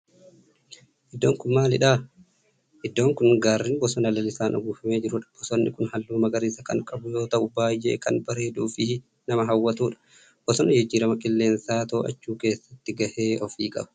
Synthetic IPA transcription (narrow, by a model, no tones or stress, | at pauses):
ʔɪd̪ːoːŋkʊnmaːlɪᶑaː | ʔɪd̪ːo̞ːŋkʊnɡaːrːɪnbɔsɔnɐlɐlɪsaːnʔʊ̰ɡuːfɐme̞ːd͡ʒɪɾʊᶑɐ̥b̥ɔsɔnːɪkʊnhɐlːuːmɐɡɐɾiːsɐkɐ̰ŋkʼɐbʊjo̞ːt̪ɐʔʊbaːjːḛːkɐnbɐɾe̞ːd̪uːfɪ | nɐmɐɦɐwːɐt̪uːᶑɐ̥ | b̥ɔsɔnɪd͡ʒɪd͡ʒːiːɾɐmɐkʼɪlːe̞ːnsaːt̪oːʔɐ̰t͡ʃːuːke̞ːsːɐt̪ːɪɡɐhe̞ːɔfiːkʼɐ̰bɐ̥